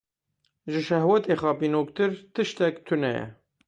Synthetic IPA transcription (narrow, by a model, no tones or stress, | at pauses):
ʒɨʃɛhwɛt̪eːxɑːpiːnoːkt̪ɨɾt̪ɨʃt̪ɛkt̪ʰunɛjɛ̰